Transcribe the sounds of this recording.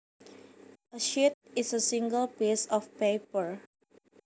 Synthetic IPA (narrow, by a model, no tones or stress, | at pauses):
ʔəʃit̪̚ɪsəsĩŋɡəlpisɔfpepəɹ